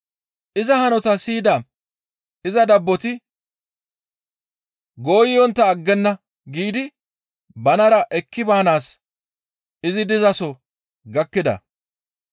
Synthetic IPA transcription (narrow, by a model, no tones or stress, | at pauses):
ʔɪzɐhɐnɔt̪ɐsiːd̪ɐ | ɪzɐd̪ɐbːɔt̪ɪ | ɡo̞ːjɪjɔnt̪ːɐːɡːɛnːɐ | ɡiːd̪ɪ | bɐnɐɾɐʔɛkːɪbaːnaːs | ɪzɪd̪ɪzɐsɔ | ɡɐkːɪd̪ɐ̰